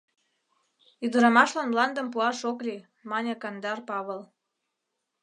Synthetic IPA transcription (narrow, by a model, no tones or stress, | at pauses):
yd̪ə̆ɾɑmɑʃlɑnmlɑnd̪ə̆mpuɑʃokli | mɑnʲekɑnd̪ɑrpɑβəl